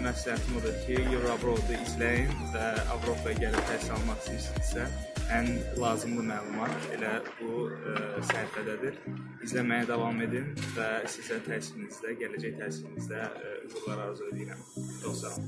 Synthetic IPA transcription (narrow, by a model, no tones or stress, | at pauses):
mæsljæt̪ʰimod̪uɾcʰijuvɾabɾolˠd̪uizlæjinvæɑ̰vɾo̞pʰɑjɑɟælit̪ʰæsiɑlˠmɑχsɯiʃii̥sæænlˠɑːzɯmd̪ɯmæːlˠumɑt̪ḛlæbu | sæɾfæd̪æd̪iɾ | izlæmæjæd̪ɑvɑme̞d̪invæsizæt̪ʰæsifinizd̪æɟælæd͡ʒæçt̪ʰæsifinizd̪æṵɣuɾlˠɑɾɑɾzølijiɾæmd̪oχsɑ